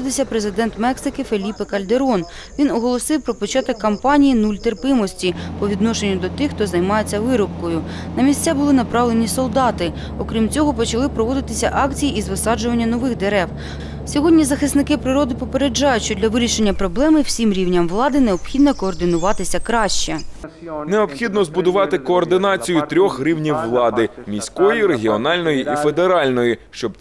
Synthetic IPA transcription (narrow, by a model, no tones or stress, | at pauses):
d̪ɪsʲɐpɾezɪd̪ɛnt̪mɛksɪkɪfelʲipɪkɐlʲd̪eɾɔn | ʋʲinɔɦɔlˠɔsɪwpɾɔpɔt͡ʃɑt̪ɐkːɐmpɑnʲijinulʲt̪erpɪmɔsʲtʲipɔʋʲid̪nɔʃe̞nʲːʊd̪ɔt̪ɪxt̪ɔzɐjmɑje̞t͡sʲːɐʋɪɾɔp̚kɔjʊnɐmʲisʲt͡sʲabʊlˠɪnɐpɾɑʋlˠe̞nʲisɔlˠd̪ɑt̪ɪ | ɔkɾʲimt͡sʲɔɦɔpɔt͡ʃɐlˠɪpɾɔʋɔd̪ɪt̪ɪsʲɐʔɑkt͡sʲijiizʋɪsɑd͡ʒʊʋɐnʲːɐnɔʋɪxd̪eɾɛw | sʲɔɦɔdʲnʲizɐxɪsnɪkɪpɾɪɾɔd̪ɪpɔpe̞ɾed͡ʒɑjʊtʲʃt͡ʃɔdlʲɐʋɪɾʲiʃe̞nʲːɐpɾɔblˠɛmɪw̥sʲimɾʲiwnʲɐmʋlˠɑd̪ɪneɔpxʲid̪nɐkɔːrd̪ɪnʊʋɑt̪ɪsʲɐkɾɑʃt͡ʃɛ | neɔpxʲid̪nɔzbʊd̪ʊʋɑt̪ɪkɔːrd̪ɪnɑt͡sʲijʊt̪ɾʲɔxɾʲiwnʲiwːlˠɑd̪ɪmʲisʲkɔjiɾeɦʲiɔnɑlʲnɔjiʔife̞d̪eɾɑlʲnɔjiʃt͡ʃɔb